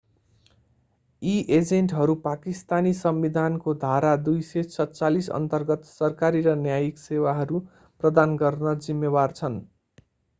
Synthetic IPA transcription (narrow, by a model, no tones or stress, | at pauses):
iʔed͡zeɳʈɦʌɾupakist̪anisʌmbid̪ʱankod̪ʱaɾad̪ujset͡sʰʌtt͡salisʌ̰nt̪ʌrɡʌt̪sʌrkaɾiɾʌnjajiksewaɦʌɾu | prʌd̪anɡʌrnʌd͡zimːebart͡sʰʌn